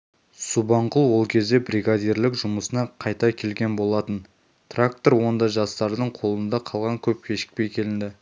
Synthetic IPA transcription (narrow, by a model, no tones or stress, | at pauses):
subɑɴqulˠwo̞lˠkʲʰe̞zd̪e̞bɾiɡad̪ijɾlɪkʒʊməsənɑqʰɑjt̪ɑkʲʰe̞lɡʲe̞nbo̞lˠɑt̪ən | t̪rak̚t̪o̞ɾwo̞nd̪ɑʒɑst̪ɑɾd̪əɴqʰo̞lˠənd̪ɑqʰɑlˠʁɑŋkʲʰɵp̚kʲʰe̞ʃɪ̥k̚pe̞jkʲʰe̞lɪnd̪ɪ